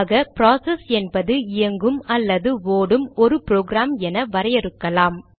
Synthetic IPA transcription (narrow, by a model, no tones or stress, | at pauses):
ɣɐpɾaːsɛsɛnbɐðɯɪjɐŋɡɯmɐlːɐðɯʋoːɽɯmɔɾɯpɾoːɡɾaːmɛnɐʋɐɾɐjɛɾɯkːɐlaːm